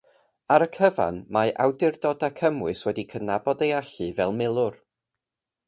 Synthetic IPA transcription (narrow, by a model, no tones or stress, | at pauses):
aɾəkʰəva̰nmaʔawdɪrdɔdakʰəmwɨswɛdikʰənabɔdejaɬɨvɛlˠmɪlˠʊr